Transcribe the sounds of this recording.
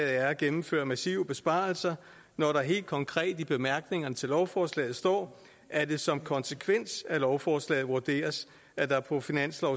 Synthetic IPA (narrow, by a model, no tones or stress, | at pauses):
ð̩ˠæɐæɡ̥emm̩fø̰ːɐmæsiʊb̥e̝sb̥ɑ̈ːl̩sɐ | nɒɾɑɦe̝̰ːld̥̚kʰɒ̽ŋkʰʁɛ̰ːd̥əb̥e̝mæɐɡ̥ne̝ŋɐnət͡sʰe̝lɒʊfɒːslɛ̰ːð̞̩ˠsd̥ɒ̰ː | ʔæd̥e̝sɒ̽mkʰɒ̽nsekʰʋen̰sælɒʊfɒːslɛ̰ːð̞̩ˠʋuɐd̥e̝̰ːɐs | æd̥ɑ̈pʰɒ̽finæn̰slɒʊ